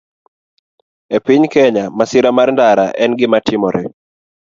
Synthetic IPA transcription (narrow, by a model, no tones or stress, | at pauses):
ɛpɪɲkɛɲamasɪɾamaɾndaɾa̰ʔɛnɡɪmatɪmɔɾɛ